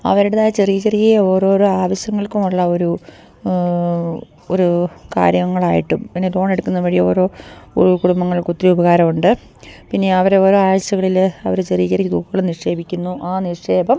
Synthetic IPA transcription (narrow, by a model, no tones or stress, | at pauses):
ɐ̰ʋɐɾiɽeðaːjɐt͡ɕeriːɣɐrikːɐjɐo̞ːɾo̞ːɾoaːʋɐɕjɐŋːɐɭkumuɭːɐo̞ɾu | oɾuka̰ːɾjɐŋːɐɭaːjḭʈːumpinːelo̞ːɳe̞ɽukːunːʋɐɻio̞ːɾo̞ːukuɽumbɐŋːɐɭkut̪ːɾiubɐɣaːɾɐmuɳɖɨ | pinːe̞ɐʋɐɾeo̞ːɾo̞ːaːʋɐɕɐɣɐɭilɐʋɐɾet͡ɕeriːɣɐrikːd̪uːkːɐɣɐɭniʂe̞ːbʱikʲːunːuʔaːniʂe̞ːbɐm